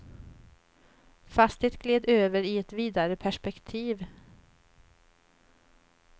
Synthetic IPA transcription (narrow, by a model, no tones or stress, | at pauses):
fast̪ɪt̪̚ɡ̥leːd̪øːvəɾɪɛt̪viːd̪aɾəpʰæʂpɛkt̪ʰiːv